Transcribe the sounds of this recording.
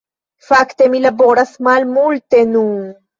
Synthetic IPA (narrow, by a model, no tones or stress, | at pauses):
fakt̪e̞milabo̞ɾasmalmult̪e̞nun